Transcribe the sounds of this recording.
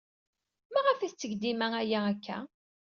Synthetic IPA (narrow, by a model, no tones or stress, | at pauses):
mæʁəfæθt͡sːəʝd̪imæŋæjæækːæ̰